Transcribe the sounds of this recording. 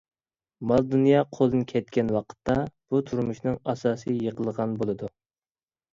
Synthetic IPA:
mɑlˠd̪unjɑqʰolˠɨnɨkʲʰɛt̪̚kʲɛnwɑqʰə̥t̪ʰːɑb̥ut̪ʰuɾmmuʃnɨŋɑsɑːsɨjəqʰəlˠəʁɑnbolˠɨd̪u

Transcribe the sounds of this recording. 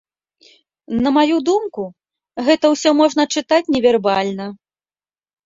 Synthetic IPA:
nɐmajud̪umku | ɣɛt̪ɐwsʲɔmɔʐnɐt͡ʂɨt̪at͡sʲnʲɛvʲɛrbalʲnɐ

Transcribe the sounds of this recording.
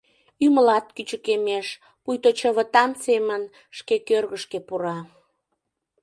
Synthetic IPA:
yməlɑt̪̚kyt͡ɕəkemeʃ | pujt̪ot͡ɕəβət̪ɑmsemən | ʃkekørɣəʃkepuɾɑ

